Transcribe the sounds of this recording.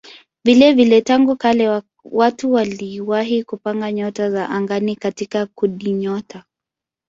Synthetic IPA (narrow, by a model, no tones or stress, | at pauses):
vilɛvilɛtaŋɡukalɛ | watuwaliwaɦikupaŋɡaɲɔtazaʔaŋɡanikatikakuɗiɲɔtʰa